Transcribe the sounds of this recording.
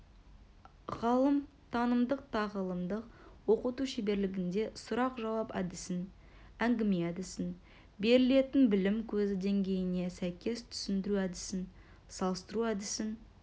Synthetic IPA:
ʁɑlˠəm | t̪ʰɑnəmd̪əq̚t̪ʰɑʁəlˠəmd̪əqwo̞qət̪uʃibe̞ɾlɪɡʲɪnd̪e̞sʊɾɑqʒɑwɑpæ̰d̪ɪsɪn | æŋɡʲɪmeæd̪ɪsɪn | be̞ɾɪle̞t̪ɪnbɪlɪmkʲʰɵzɪd̪e̞ŋɡʲe̞jɪne̞sæjkʲe̞st̪ʰʏ̥sɪnd̪ɪɾuæd̪ɪsɪn | sɑlˠəst̪əɾuæd̪ɪsɪn

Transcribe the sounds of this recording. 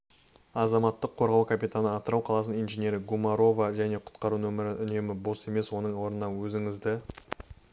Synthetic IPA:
ɑzɑmɑt̪ːəqʰːo̞ɾʁɑwkʰapit̪anəɑt̪əɾɑwqʰɑlˠɑsənijnʒenʲje̞ɾɪɡumɑɾo̞vaʒæne̞qʰʊ̥t̪qɑɾunɵmɪɾɪʏne̞mɪbo̞se̞me̞swo̞nəɴwo̞ɾnənɑwɵzɪŋɪzd̪ɪ

